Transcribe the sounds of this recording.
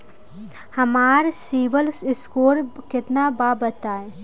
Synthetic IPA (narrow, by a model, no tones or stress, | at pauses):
hɐmaːɾsiːbəlsɪskoːɾkɪt̪nabaːbət̪aːe